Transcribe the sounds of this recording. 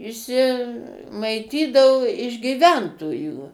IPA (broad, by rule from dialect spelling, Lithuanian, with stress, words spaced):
ɪʃʲˈsʲɪ mɐɪˈtʲiːdɐʋoː ɪʃ ɡʲiːˈʋʲɛntoːjuː